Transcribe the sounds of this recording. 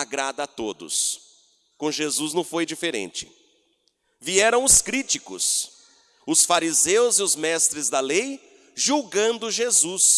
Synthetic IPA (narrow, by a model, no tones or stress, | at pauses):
aɡɾad̪ɐat̪od̪ʊ̰s | kõʒezuznɐ̃w̃fojd͡ʒifeɾḛ̃nt͡ʃɪ̥̰ | viɛɾɐ̃w̃ʊskɾit͡ʃikʊ̰s | ʊsfaɾizewzɪʊzmɛst̪ɾɪzd̪ɐlej | ʒuwɡɐ̃nd̪ʊʒezus